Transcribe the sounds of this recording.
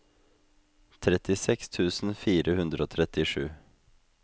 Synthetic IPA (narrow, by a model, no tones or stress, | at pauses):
t̪ʰɾɛt̪ɪsɛkst̪ʰʉːsn̩fiːɾəhʉnd̪ɾəoːt̪ʰɾɛt̪ɪʂʉː